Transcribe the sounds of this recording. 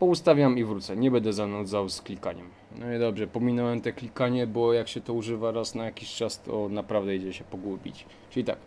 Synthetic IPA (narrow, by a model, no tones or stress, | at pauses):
pɔust̪avʲjamivɾut̪sɛɲɛbɛnd̪ɛzanɔd̪zawsklʲika̰ɲɛm | nɔɛd̪ɔbʐɛpɔmʲinɔwɛmt̪ɛklʲikaɲɛbɔjakɕɛt̪ɔuʐɘvaɾasnajakʲiɕt͡ʂast̪ʰɔnapɾavd̪ɛid͡ʑɛɕɛpɔɡwubʲḭt͡ɕ | t͡ʂɘlʲit̪a̰k